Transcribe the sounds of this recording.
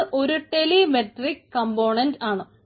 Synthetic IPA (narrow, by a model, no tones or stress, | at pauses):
ʔo̞ɾuʈe̞limeʈrikːɐmboːɳɐndaːɳɨ